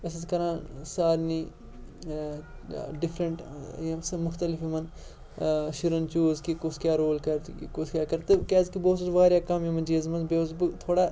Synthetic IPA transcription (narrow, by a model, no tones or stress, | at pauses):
ɐsɐzkɐɾãːsaːɾniː | ɖɪfʰɾəɳʈɐsmʊxt̪ɐlɪfimɐn | ʃɪɾɐnt͡ʃuːzkikoskjaːɾoːlkɐɾt̪koskʲjaːkɐɾt̪ɨkɛːzkiboːsɐzʋaːɾjaːkɐmimɐnd͡ʒiːɐzmɐnbezbɨt̪ʰoːɽaː